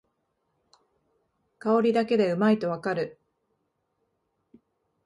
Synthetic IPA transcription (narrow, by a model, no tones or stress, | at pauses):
kao̞ɾʲid̪ake̞d̪e̞ɯ̟mait̪o̞β̞akaɾɯ̟